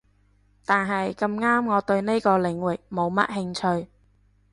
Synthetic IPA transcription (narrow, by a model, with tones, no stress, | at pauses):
t̪aː˨nɦɐ˨jkɐ˧mŋaː˥mŋɔː˨˧t̪ɵ˧ɥne˥jkɔː˧lɪ˨˧˥ŋwɪ˨˩k̚mo˨˧wmɐ̰˥t̚hɪ˧ŋt͡ʃʰɵ˧ɥ